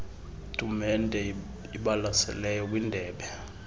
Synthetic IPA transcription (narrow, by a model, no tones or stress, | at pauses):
tʼumɛndʱɛ | iɓalasɛ̰lɛjɔk̬windʱɛːɓɛ